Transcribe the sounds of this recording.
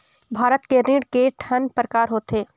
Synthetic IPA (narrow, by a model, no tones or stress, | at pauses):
bʱaːɾət̪keɾiːɽkeʈʰɐnpɾəkaːɾɦoːt̪eː